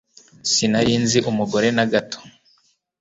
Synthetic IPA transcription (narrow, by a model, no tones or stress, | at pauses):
sinaɾiːnziʔumuɡo̞ɾe̞naɡatʰo̥